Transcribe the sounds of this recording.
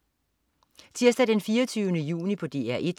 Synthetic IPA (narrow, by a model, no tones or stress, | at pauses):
t͡sʰiɐsd̥ɛd̥enfiːɐt͡sʰyːʊənəjṵːnipʰɒ̽d̥e̝̰ːæɐ̰ʔe̝d̥